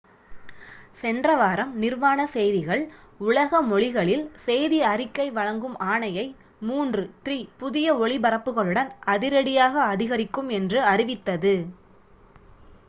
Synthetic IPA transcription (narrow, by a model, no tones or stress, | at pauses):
sɛndrɐʋaːɾɐmnɪrʋaːnɐsɛjðɪɣɐɭʊɭɐɣɐmɔɭɪɣɐɭɪlsɛjðiɐrɪkːɐɪʋɐɻɐŋɡɯmʔaːɳɐjɐɪ | muːndrɯt̪riːpʊðɪjɐɔɭɪbɐɾɐpːɯɣɐɭɯɽɐnɐðɪɾɐɽɪjaːɣɐːðɪɣɐɾɪkːɯmɛndrɯɐrɪʋɪt̪ːɐðɯ